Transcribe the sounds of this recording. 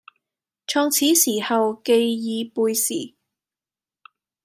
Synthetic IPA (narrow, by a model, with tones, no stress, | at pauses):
t͡ʃʰɔː˧ŋt͡sʰiː˨˥siː˨˩hɐ˨wke˧jjiː˨˧puː˧jsḭː˨˩